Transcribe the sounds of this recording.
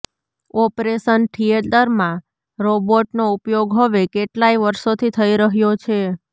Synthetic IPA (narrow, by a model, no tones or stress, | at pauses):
ɔpɾeʃənʈʰied̪əɾmã | ɾoboʈnoupjoɡɦəʋekeʈlaiʋəɾʃot̪ʰit̪ʰəiɾəɦjot͡ʃʰe